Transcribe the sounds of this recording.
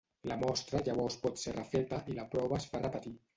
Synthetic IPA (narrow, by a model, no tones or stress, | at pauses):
lamɔst̪ɾaʎaβɔwspɔt̪serəfɾet̪aʔilapɾɔβasfarepat̪i